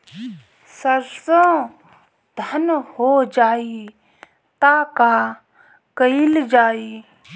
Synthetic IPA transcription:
səɾsə̃ | d̪ʱənhod͡ʒaːi | t̪aːka | kəɪld͡ʒaːiː

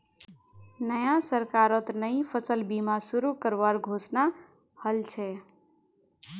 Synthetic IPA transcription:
nəjãsəɾkaɾət̪nəĩpʰəsəlbimasuɾukəɾʋaɾɡʱosna | həlt͡ʃʰɛ

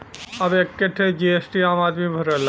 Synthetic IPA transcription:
aʋekːeʈʰed͡ʒiesʈiaːmaːd̪mibʱəɾəl

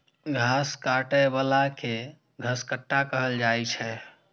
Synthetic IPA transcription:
ɡʱaskaʈəjbalake | ɡʱəskəʈːakəɦəld͡ʒajt͡ʃʰɛ

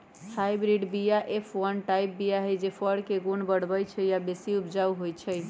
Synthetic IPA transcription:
hajbɾiɖbijaʔepʰwənʈajp̚bijaɦəjd͡ʒepʰəɽkeɡonbəɽbəjt͡ʃʰəjabesiupd͡ʒauɦojt͡ʃʰəj

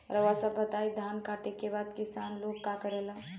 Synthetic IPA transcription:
ɾəʋasəbət̪ajd̪ʱankaʈekebad̪kisanlokːakəɾelə̃

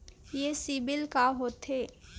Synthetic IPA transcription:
jesibɪlkaɦoːt̪ɦeː

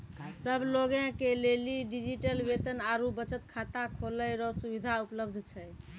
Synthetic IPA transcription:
səbʱloɡẽkeleliɖid͡ʒiʈəlbet̪ənaɾubət͡ʃət̪kʰat̪akʰoləjɾɔsubid̪ʱaupləbd̪ʱt͡ʃʰɛ

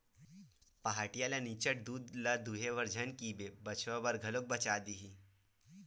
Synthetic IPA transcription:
pɐɦaːʈijalanit͡ʃəʈ̚d̪uːd̪lad̪uɦeʋəɾd͡ʒʱənkiːbebɐt͡ʃʋabəɾɡʱɐlok̚bɐt͡ʃaːd̪iɦi

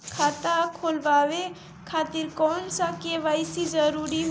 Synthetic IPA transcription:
kʰaːt̪akʰoːlʋaːʋe | kʰaːt̪iɾkɔːnsakeʋaːjsizəɾuːɾi

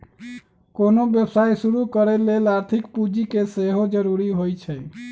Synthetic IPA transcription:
konobjəbsajsuɾukəɾɛlelaɾt̪ʰikpud͡ʒikeseɦod͡ʒəɾuɾiɦojt͡ʃʰəj

